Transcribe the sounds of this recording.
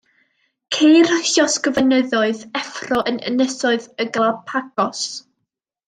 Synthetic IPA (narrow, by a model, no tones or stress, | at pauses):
kʰejrəɬjɔsɡ̥əvənəðɔɨðɛfrɔʔənə̰nəsɔɨðəɡəlˠapʰaɡ̥ɔs